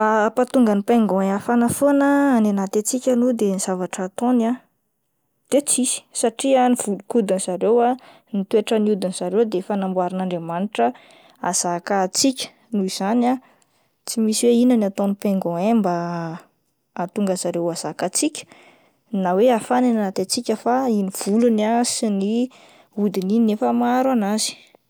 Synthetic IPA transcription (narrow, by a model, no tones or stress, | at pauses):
apat̪uŋɡənipeŋɡɔ̃ẽafanəfonəːnenat̪et͡sikʲanud̪eniz̥avaʈ͡ʂat̪ona | d̪̥et͡sisi̥saʈ͡ʂianiv̥ulukud̪inz̥aɾewa | nit̪ueʈ͡ʂəniud̪inz̥aɾewd̪eefanambwaɾinaɳɖ͡ʐemaniʈ͡ʂə | az̥akat͡sikʲə̥ | nuiz̥ana | t͡simisiweinənat̪onipeŋɡõemba | t̪uŋɡəz̥aɾewaz̥akat͡sikʲə̥ | naweafaninanat̪at͡sikʲəfainiv̥ulunasini | ud̪ininiefəmaɾwanazi̥